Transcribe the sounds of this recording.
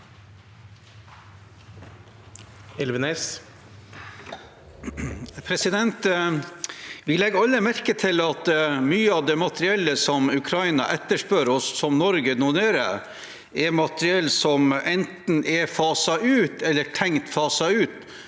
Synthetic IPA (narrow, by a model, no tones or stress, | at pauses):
ɪlʋənes | pʰɾɛsɪd̪ɛnt̪ | ʋɪlɛɡːɑlːəmæɾkət̪ʰɪlɑt̪myːəɑʋd̪ɛːmɑt̪ɾɪɛlːəsɔmʉkʰɾɑɪnɑ̰ʔɛt̪ːəʂpøːɾɔsːɔmnɔɾɡənuneːɾə̰ | ɛɾmɑt̪əɾɪɛlːsɔmʔɛnt̪n̩ʔɛfɑːsɑʔʉːt̪ɛlːəʈʰɛŋt̪fɑːsɑʉːt̪